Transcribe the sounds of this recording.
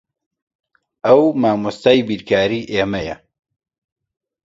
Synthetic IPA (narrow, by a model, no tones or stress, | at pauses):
ʔɐwmaːmust̪aːjbiːɾkʰaːɾiːʔeːmɐjɐ